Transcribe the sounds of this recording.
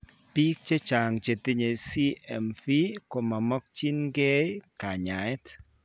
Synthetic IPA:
pi˦k̚t͡ʃe˦t͡ʃa˨ŋt͡ʃe˨t̪i˦ɲe˨si˦ɛ˨mfi˦ko˨ma˨mɔ˦k̚t͡ʃi˦nɡe˦jka˨ɲa˨ɛ˦t

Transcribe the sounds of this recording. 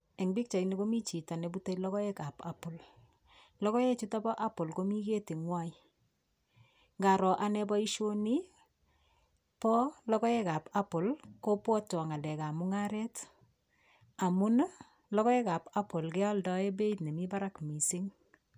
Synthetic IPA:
e˨ŋbi˦k̚t͡ʃa˨ine˦ko˦mi˦t͡ʃi˨ta˨ne˨bu˦ta˦ilɔ˦kɔ˦ɛ˦ka˨pa̰po˨l | lɔ˦kɔ˦jɛ˦t͡ʃu˦ta˦bɔ˦ʔa˦po˨lko˦mi˦ke˦te˨ŋwa˦i | ŋɡa˨ɾɔ˨ʔa˨nɛ˦bɔ˦i˦ʃo˦ni˦ | pɔ˦lɔ˦kɔ˦ɛ˦ka˨pa˦po˨lko˦pɔ˦tɔ˨ŋa˨lɛ˨ka˨mu˦ŋa˦ɾɛ˦t | a˨mʊ˦n | lɔkɔ˦ɛ˦ka˨pa˦po˨lkɛ˦a˦ldɔ˦e˦be˦itne˨mi˦ba˦ɾa˦kmi˨sɪ˦ŋ

